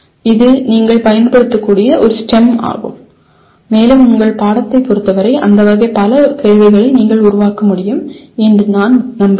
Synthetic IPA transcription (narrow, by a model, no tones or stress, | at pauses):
ɪðɯniːŋɡɐɭpɐjɐnpɐɽɯt̪ːɯkːuːɽɪjɐʔɔɾɯsʈɛma̰ːɣɯ̰mː | eːlɯmʊŋɡɐɭpaːɽɐt̪ːɐɪpːɔɾɯt̪ːɐʋɐɾɐɪʔɐ̰nd̪ɐʋɐɣɐpɐlɐkeːɻʋɐɪɣɐɭɐɪniːŋɡɐɭʊɾʊʋaːkɐmʊɽɪjɯmɛndrɯnaːnnɐmb